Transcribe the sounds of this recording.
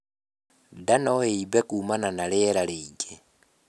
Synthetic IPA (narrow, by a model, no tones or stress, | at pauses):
danɔeibɛkʼumananalɪɛlaleiɟɛ